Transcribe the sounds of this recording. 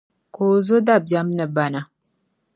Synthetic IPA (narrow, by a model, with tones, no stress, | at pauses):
koː˨zo˦da˨bja˦mnə˨ba˨na˨